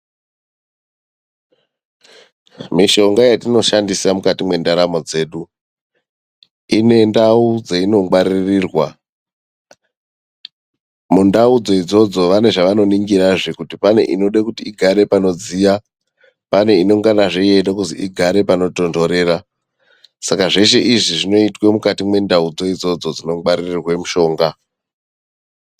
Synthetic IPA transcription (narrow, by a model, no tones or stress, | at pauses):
miʃo̞ŋɡajatino̞ʃandisamukatimwe̞ndaɾamo̞d͡ze̞ːɗu | ine̞ndaud͡zeino̞ɡ͡baɾiriːrwa | mundaud͡zo̞id͡zo̞d͡zo̞ʋane̞ʐaʋano̞niŋɡiɾaʐekutipane̞̰ʔino̞ɗakutiːɡʱaɾe̞pano̞d͡zija | pane̞ino̞ŋɡanaʐeijeɗokuziʔiɡʱaɾe̞pano̞to̞ndo̞ɾe̞ːɾa | sakaʐe̞ʃe̞ʔiʐiʐino̞itwe̞mukatimwe̞ndaud͡zo̞id͡zo̞d͡zo̞d͡zino̞ɡ͡baɾirirwe̞muʃo̞ːŋɡa